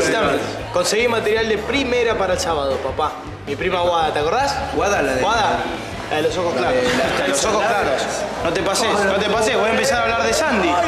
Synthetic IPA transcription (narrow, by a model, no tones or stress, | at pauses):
sit̪ame | ko̞nseɣimat̪eɾjald̪epɾimeɾapaɾaelsaβaðopapa | mipɾimaɣwaðat̪eako̞ɾðasɣwaðalawaða | laðelosoxosklaɾot̪alosoxoklaɾosnot̪epasenot̪epaseβojaempesaɾaβlaɾðesand̪i